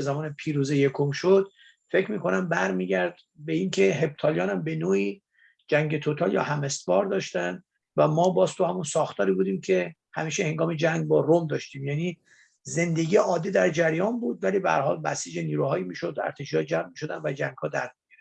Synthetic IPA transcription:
ezæmɒːnepʰiːɾuːzejekʰomʃod̪̥ | fe̞kʰmiːkʰo̞næmbæɾmiːɟʲæɾd̪ | beiŋkʰe̞ɦe̞b̚t̪ʰɒːljɒːnæmbe̞noːiː | d͡ʒæŋɡe̞t̪ʰot̪ʰɒːljɒ̰ːhæmest̪vɒːɾd̪ɒːʃt̪ænd̪ | væmɒːbɒːzt̪ʰuhæmunsɒːxt̪ʰɒːɾiːbuːd̪iːmcʰe̞ | hæmiːʃehe̞ŋɡɒːmed͡ʒæŋɡ̚bɒːɾomd̪ɒʃt̪iːmjæːniː | ze̞nd̪e̞ɡiːjeɒːd̪ed̪æɾd͡ʒæɾjɒːnbuːd̪væliːbehæ̰ɾhɒːlbæ̰siːd͡ʒeniːɾuhɒːjimiːʃo̞d̪æ̰ɾt̪ʰeʃiːhɒːd͡ʒæmmiːʃod̪ænd̪væd͡ʒæŋɡ̥hɒːd̪æ̰ɾmiɡæɾd̪̥

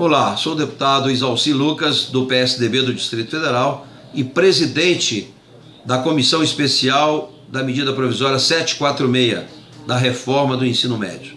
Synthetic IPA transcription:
õlasod̪epu̥t̪ad̪ʊizawsilukɐzd̪ʊpeɛsɪd̪ebed̪ʊd͡ʒist̪ɾit̪ʊ̥fed̪eɾaw | ɪpɾezid̪ẽnt͡ʃɪ | d̪ɐkomisɐ̃w̃ispesiaw | d̪ɐmed͡ʒid̪ɐpɾovizɔɾiɐsɛt͡ʃɪ̥kwat̪ɾʊmejɐ̰ | d̪ɐɦefɔɾmɐd̪ʊẽsĩnʊmɛ̰d͡ʒʊ

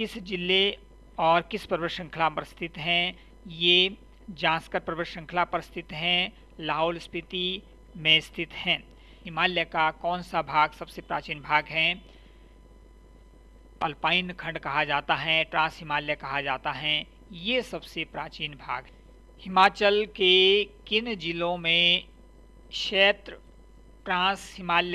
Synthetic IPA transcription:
kɪsd͡ʒɪlːe | ɔːɾkɪspɾbɪʃə̃ŋkʰlapəɾɪst̪ʰɪt̪ɦɛ̃ | je | d͡ʒãːskəɾpɾəʋəʃə̃ŋkʰlapəɾɪst̪ʰɪt̪ɦɛ̃ | laːɦolspɪt̪i | mẽst̪ʰɪt̪ɦɛ̃ː | ɦɪmaːljəkakɔːnsabʱaːɡsɐbsepɾa̰ːt͡ʃiːnbʱaːɡɦɛ | ɐlpaːɪnkʰɐ̃ɳɖkɐɦad͡ʒaːt̪aɦɛʈɾãːsɦɪmaːljəkɐɦad͡ʒaːt̪aɦɛ | jesɐbsepɾaːt͡ʃiːnbʱa̰ːɡɦ | hɪmaːt͡ʃəlkekɪnd͡ʒɪlõmẽ | kʃeːt̪ɾə | ʈɾãːshɪmaːlj

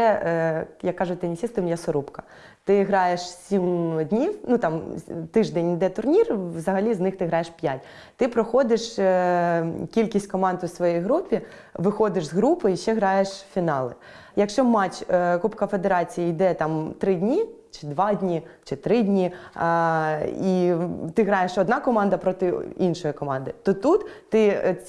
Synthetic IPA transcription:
ɛ | jɐkːɑʒʊt̚ʲt̪ɛnʲisʲist̪ɪmjɛsɔɾupkɐ̥ | t̪ɪɦɾɑjeʃsʲimdʲnʲiwnut̪ɑmt̪ɪʒd̪ɛnʲid̪ɛt̪ʊrnʲirʋzɐɦɐlʲiznɪxt̪ɪɦɾɑjeʃpʲjatʲ | t̪ɪpɾɔxɔd̪ɪʃ | kʲilʲkʲisʲtʲkɔmɑnd̪ʊsʋɔjijɦɾupʲi | ʋɪxɔd̪ɪʃzɦɾupɪiʃt͡ʃɛɦɾɑjeʃfʲinɑlˠɪ | jɐkʃt͡ʃɔmɑt͡ʃkupkɐfe̞d̪eɾɑt͡sʲijɐjd̪ɛt̪ɑmt̪ɾɪdʲnʲi | t͡ʃɪd̪ʋɑdʲnʲit͡ʃɪt̪ɾɪdʲnʲi | it̪ɪɦɾɑjeʃɔd̪nɑkɔmɑnd̪ɐpɾɔt̪ɪinʃɔjikɔmɑnd̪ɪt̪ɔt̪ut̪ːɪ

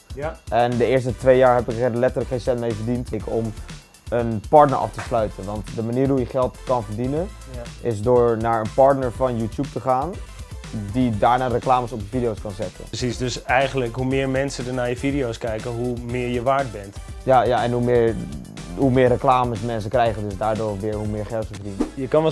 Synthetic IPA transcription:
ʔɛndəɪəɹstətʋejjaːɹɦɛpɪkɛdlɛtələkensɛntmejvəɹdintɪkɔm | ənpɑɹtnəɹʔɑ̰ftəslœɥtʰənʋɑntdəmaniːrɦujəχɛlˠtkɑnvəɹdinən | ʔɪsdʊːɹnaːɹənpɑɹtnəɹfɑnjuːtjup̚təχaːn | didaːɹnaːrəklaːməsɔpəfidijowskɑnzɛtə̰sisdøsɛjχənləkɦumɪːɹmɛnsədənaːjəfidiowskɛjkəɦumɪːɹjəʋaːɹt̚bɛntjajaɛnɦumɪːɹ | ɦumɪːrəklaːməsmɛns̬əkrɛjχəndøsdaːɹdʊːrʋɪːɹɦumɪːɹχɛlˠtəvəɹdinəjəkɑn

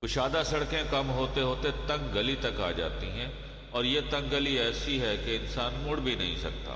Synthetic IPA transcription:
ʊʃaːd̪asɐɽkẽkɐmɦoːt̪eɦoːt̪et̪ɐ̃ŋɡɡɐlit̪ɐka̰ːd͡ʒa̰ːt̪iɦɛ̃ | ɔːɾjet̪ɐ̃ŋɡɡəliɛːsiɦɛkeɪnsaːnmʊɽbʱinɐ̰ɦḭ̃sɐ̰k̚t̪a̰ː

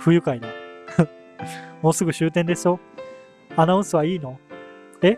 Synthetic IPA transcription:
ɸɯ̟jɯ̟kaid̪e | mo̞ːsɨɡɯ̟ɕɨːt̪ẽnd̪e̞sɨjo̞ | anaɯ̃sɨβaiːno̞ | e̞

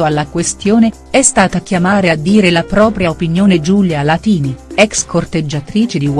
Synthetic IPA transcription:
oalːakwest̪joːne | ɛst̪aːt̪akːjamaːɾead̪ːiːɾelapɾɔːpɾjaopinjoːned͡ʒuljalat̪iːniɛkskʰort̪ed͡ʒːat̪ɾiːt͡ʃed̪iw

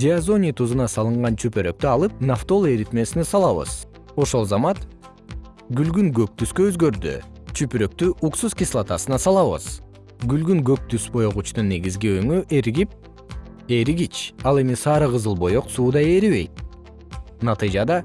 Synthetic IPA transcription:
d͡ʒʲeazo̞nʲijt̪uzɯnɑsɑlˠɯɴʁɑnt͡ʃʰypøɾø̞k̚t̪yɑlˠɯp̚naft̪o̞lˠeɾit̪me̞sinesɑlˠɑβɯ̰z | o̞ʃo̞lˠzɑmɑt̪ | ɡylɡyŋɡø̞k̚t̪yskøøzɡø̞ɾd̪y̰ | t͡ʃʰypyɾø̞k̚t̪yʔuksuzkʲislˠat̪ɑsɯnɑsɑlˠɑβɯ̰z̥ | ɡylɡyŋɡø̞k̚t̪ysbo̞joʁut͡ʃnunːe̞ɡizɡiøŋyʔeɾɡip̚ | eɾiɡit͡ʃɑlˠe̞misɑːɾɯʁɯzɯlˠbo̞jo̞qsuːd̪ɑje̞ɾiβe̞̰jt̪̚ | nɑt̪ɨjd͡ʒɑd̪ɑ

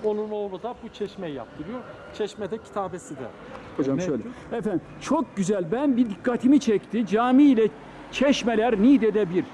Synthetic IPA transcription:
onunolˠud̪abut͡ʃʰɛʃmɛja̰p̚t̪ʰɯɾɯjoɾ | t͡ʃʰɛʃmɛd̪ɛcʰi̥t̪ʰaːbesid̪ɛ̰ | hod͡ʒamʃøjlʲɛ | ɛfæn | t͡ʃʰo̞k̚ɟyzælʲbænbid̪ikʰːat̪ʰimit͡ʃʰɛct̪ʰid͡ʒaːmilʲɛ | t͡ʃʰɛʃmɛlʲæɾnid̪ɛd̪ɛbiɾ

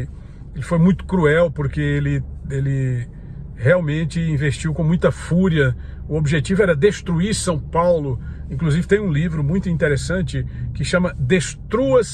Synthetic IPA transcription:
elɪfojmũj̃t̪ʊ̥kɾuɛwpoɾkeelɪ | elɪ | heawmẽnt͡ʃɪĩveʃt͡ʃiwkõmũj̃t̪ɐfuɾiɐ | ʊobiʒet͡ʃivʊɛɾɐd̪est̪ɾuiɾsɐ̃w̃pawlʊĩkluzivɪt̪ẽj̃ũlivɾʊmũj̃t̪ʊĩt̪eɾesɐ̃nt͡ʃɪkɪʃɐ̃mɐd̪est̪ɾuɐs

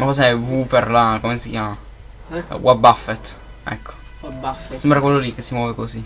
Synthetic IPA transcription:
mafɔs̬eɛvuperlakomesikʲjaːma | wʔabafːet̪ | ɛ̰kːo̥ | afsɛmbɾakwelːolikːesːimwɔːvekosi

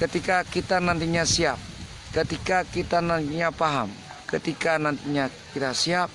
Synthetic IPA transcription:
kət̪ikakit̪anant̪iɲasiap̚ | kət̪ikakit̪anant̪iɲapaɦa̰m | kət̪ikanant̪iɲakit̪asiap̚

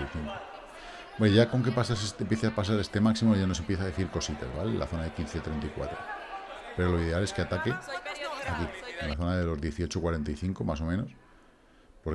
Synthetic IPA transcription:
iθiŋko | obeʝako̞ŋke̞pasasest̪empje̞θeapas̬aɾe̞st̪e̞maksimoʝanoe̞mpje̞θaðeθiɾko̞sit̪a̰zβalḛlʔa̰θo̞naðe̞kin̟θe̞t̪ɾe̞nt̪aikwa̰t̪ɾo | pe̞ɾo̞loiðe̞ale̞skeat̪ake̞akienlaθo̞naðe̞lo̞zðje̞θiot͡ʃo̞kwaɾe̞nt̪ajθiŋko̞mas̬o̞mẽno̞s | po̞ɾ

